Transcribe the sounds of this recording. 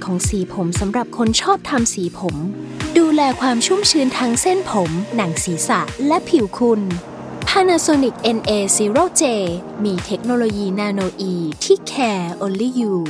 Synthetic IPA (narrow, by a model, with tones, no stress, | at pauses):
kʰɔː˩˦ŋsiː˩˦pʰo˩˦msa˩˦mɾa˨˩p̚kʰo˧nt͡ɕʰɔː˥˩p̚t̪ʰa˧msiː˩˦pʰo˩˦mduː˧lɛː˧kʰwaː˧mt͡ɕʰu˥˩mt͡ɕʰɯː˧nt̪ʰa˦˥ŋse˥˩npʰo˩˦mna˩˦ŋsiː˩˦sa˨˩ʔlɛ˦˥pʰi˨˩˦wkʰu˧n | pʰaː˧naː˧soː˧ni˨˩k̚ʔe˧nʔeː˧siː˨˦ɾoː˥˩t͡ɕeː˧ | miː˧t̪ʰe˦˥k̚noː˧loː˧jiː˧naː˧noː˧ʔiː˧t̪ʰiː˥˩kʰɛː˧ʔoː˧li˦˥juː˧